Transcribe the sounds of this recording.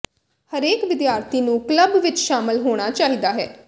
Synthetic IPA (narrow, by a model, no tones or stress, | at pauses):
həɾeːkʋɪd̪jaːɾt̪ʰiːnũːkləbʋɪt͡ʃʃaːmɪlɦoːɽ̃aːt͡ʃaːɦiːd̪aːɦɛ̰ː